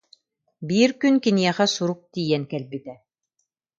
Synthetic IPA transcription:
biːɾkynkinijɛχæsuɾuk̚t̪ijɛnkɛlbit̪ɛ

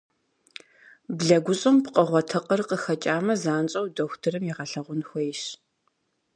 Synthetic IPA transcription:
bɮɐɡʷʊɕʼɨmpqəʁʷɔtʰɐqʼərqəxɐt͡ʃʼaːmɐzaːnt͡ʃʼɐwdoxʷtʰɨrɨmjiʁɐɬɐʁʷʊnxʷɔjɪɕ

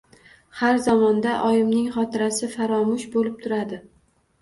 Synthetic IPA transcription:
haɾzɒmɒnd̪aʔɒjɪmnɪŋχɒt̪ʰɪɾasɪfaɾɒmʊʃbolɪp̚t̪ʰʊɾad̪ɪ

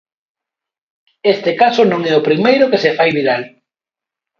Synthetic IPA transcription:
est̪ekasʊnõŋɛʊpɾimejɾʊkesefajβiðal

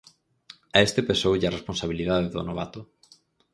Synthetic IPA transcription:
aest̪epesowʎaresponsaβiliðaðeðo̰noβ̞at̪o

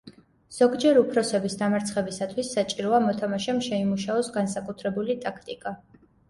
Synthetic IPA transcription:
z̥ɔɡd͡ʒɛɾupʰɾɔsɛbisd̪amaɾt̪sʰχɛbisat̪ʰwisːat͡ʃʼiɾɔamɔt̪ʰamaʃɛmʃɛimuʃaɔsɡansakʼut̪ʰɾɛbulit̪ʼakʰt̪ʼikʼa

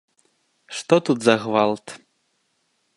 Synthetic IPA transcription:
ʂt̪ɔt̪ud̪zɐɣvalˠt̪

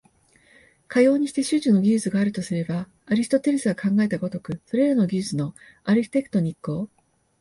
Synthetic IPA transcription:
kʰajo̞ːɲ̟iɕi̥t̪e̞ɕɨʑɨno̞ɡʲɨːzɨɡaːɾɯ̟t̪o̞sɨɾe̞baː | ɾʲist̪ot̪e̞ɾesɨɡakʰãŋɡae̞t̪aɡot̪o̞kɯ̟so̞ɾe̞ɾano̞ɡʲɨːzɨno̞ | aɾɯçʲi̥t̪e̞kɯ̥t̪o̞ɲ̟ikːo̞ː

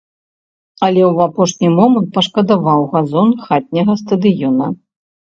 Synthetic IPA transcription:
ɐlʲɛwapɔʂnʲimɔmɐnt̪̚pɐʂkɐd̪avawɣazɔnxat̪̚ʲnʲɐɣɐst̪ɐd̪ɨjɔnɐ

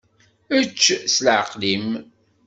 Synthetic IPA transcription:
ət͡ʃːslʕəqlim

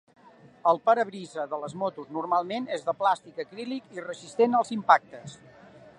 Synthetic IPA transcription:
əlˠpəɾəβɾizəðələzmɔt̪uznurmalˠmenezðəplast̪ikəkɾilikirəzist̪enəlˠzimpak̚t̪əs

